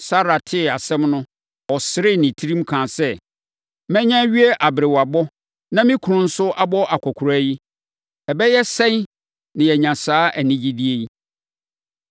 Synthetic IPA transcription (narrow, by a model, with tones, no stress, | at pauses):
sa˦ɾa˨tʰɪ˦˨a˨sɛ̃˦mnʊ̃˦ | ɔ˨sɪ˨ɾɪ˦nɪ̃˨tʰi˦ɾĩ˦m˦kʰãː˨sɛ˦˨ | mɛ̃˦ɲã˦ɥi˦ɛ˦ʔa˨bɪ˨ɾɪ˨wa˨bɔ˦ | nã˦mɪ̃˦kʰʊ˨ɾʊ̃˦n̩˦sʊ˦ʔa˦bɔ˦ʔa˨kʷʰɔ˨kʰʊ˨ɾæ˦ji˦ | ɛ˨bɛ˦jɛ˦sɛ̃˦n˦ | nɪ̃˨jɛ˨ɲã˨saː˨˦ʔæ˨nĩ˦d͡ʑi˦di˦e˦i˦